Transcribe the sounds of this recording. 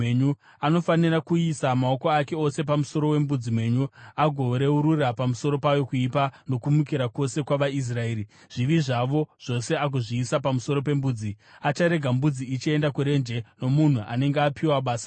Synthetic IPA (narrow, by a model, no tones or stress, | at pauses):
eɲu | ano̞fanirakuisamao̞ko̞ake̞o̞se̞pamuso̞ɾowe̞mbud͡zimwe̞ːɲuaɡʱo̞ɾe̞uɾurapamuso̞ɾo̞pajo̞kuipano̞kumuk̬iɾako̞se̞kwaʋais̬rae̞ːɾi | ʐ̥iʋiʐaʋo̞ʐ̥o̞se̞ak̬uʐiːsapamuso̞ɾo̞pe̞mbuːd͡zi | at͡ʃaɾe̞ɡʱambud͡ziit͡ʃie̞ndakuɾe̞nd͡ʒe̞no̞mun̤uʔa̰ne̞ŋɡeapʰiwaɓaːsḁ